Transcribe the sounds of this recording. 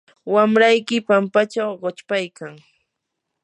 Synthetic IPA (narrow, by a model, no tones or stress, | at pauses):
wamɾajkɪpampat͡ʃawɢot͡ʃpajkaŋ